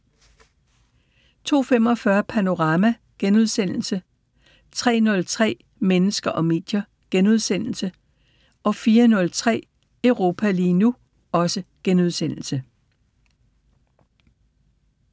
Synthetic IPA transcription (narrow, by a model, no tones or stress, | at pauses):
t͡sʰo̝̰ːfem̰ɒ̽fɶɐpʰæno̝ʁɑ̈ːmæ | ɡ̥enuðˠsen̰l̩sə | t͡sʰʁɛ̰ːnɔ̽lt͡sʰʁɛ̰ː | menəsɡ̥ɐʔɒ̽me̝̰ːd̥jɐ | ɡ̥enuðˠsen̰l̩sə | ʔɒ̽fiːɐnɔ̽lt͡sʰʁɛ̰ː | əʊʁo̝ːpʰæliːnu | ɒ̽səɡ̥enuðˠsen̰l̩sə